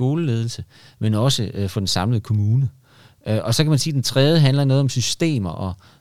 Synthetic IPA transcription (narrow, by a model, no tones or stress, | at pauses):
o̝ːləle̝ːð̞ˠl̩sə | menɒ̽səʔfɒ̽d̥ensɑ̈mləð̞̩ˠəkʰo̝muːnə | ʔʔɒ̽sɒ̽kʰæmænse̝ːdent͡sʰʁɛðˠəɦænlɐnɔ̽ːð̞̩ˠɒ̽msysd̥e̝̰ːmɐʔɒ̽